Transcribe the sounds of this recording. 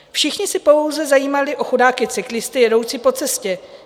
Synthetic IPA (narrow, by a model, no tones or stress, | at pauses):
fʃɪxɲɪsɪpo̞wzɛzajiːmalɪʔo̞xodaːkɪt͡sɪklɪst̪ɪjɛdo̞wt͡sɪpo̞t͡sɛscɛ